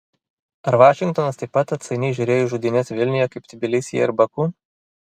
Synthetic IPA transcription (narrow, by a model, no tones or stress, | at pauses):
ɐɾʋɑːʃʲɪŋk̚t̪ɔnɐst̪ɐɪpːɐt̪ɐt̪sɐɪnʲɛɪʒʲʊːɾʲeːjʊʒuːd̪ʲɪnʲɛsʋʲɪlʲnʲʊjɛkɐɪpt̪ʲɪbʲɪlʲɪsʲɪjɛ̰ɪɾbɐkuː